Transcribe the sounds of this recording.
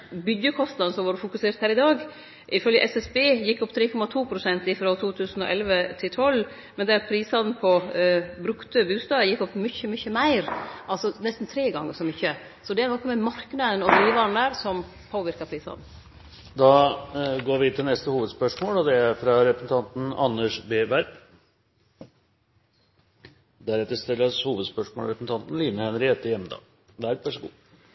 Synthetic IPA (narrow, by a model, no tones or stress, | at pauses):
bʏd̪jəkʰɔst̪nɑd̪nəsɔmʋɑːɾfʊkʉseːɾt̪hæːɾɪd̪ɑːɡ | ʔɪfœljəʔɛsɛsbeːjɪkːɔpːt̪ʰɾeːkʰɔmɑt̪ʰuːpʰɾʊsɛnt̪ɪfɾɔt̪ʰuːt̪ʰʉːsn̩ɔ̰ʔɛlʋət̪ʰɪlt̪ʰɔl | mɛnd̪ɛɾpʰɾiːsɑd̪n̩pʰɔbɾʉkt̪əbʉːst̪ɑːəjɪkːɔpːmʏçəmʏçəmæɪɾʔɑlsɔnɛst̪n̩t̪ʰɾeːɡɑŋːəɾsɔmʏçə | sɔd̪ɛænɑkmɛmɑɾknɑd̪ənɔd̪ɾiːʋɑɳ̩æːɾsɔm | pʰoːʋɪɾkɑpʰɾiːsɑ̰n | d̪ɑɡoːɾʋɪt̪ʰɪlnɛst̪əhuːʋəd̪spœʂmoːlɔd̪ɛæɾfɾɑɾɛpɾəsn̩t̪ʰɑnt̪n̩ɑnːəʂbeːbæɾb | d̪æɾɛt̪ːəst̪ɪlːəshuːʋəd̪spœʂmoːlɾɛpːəsn̩t̪ɑnt̪n̩liːnəhɛnəɾɪɛt̪ːəjɛmːəd̪ɑ̰ːɡ | ʋæɾbʋæʂəɡṵː